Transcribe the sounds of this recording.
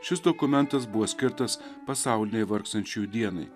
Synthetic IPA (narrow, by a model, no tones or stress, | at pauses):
ʃʲɪsd̪okʊmʲɛnt̪ɐs̬bʊʋoːsʲkʲɪɾt̪ɐspɐsɑˑʊlʲɪnʲɛɪʋɐɾkst̪ɐnʲt͡ʃʲujd̪ʲiɛnɐɪ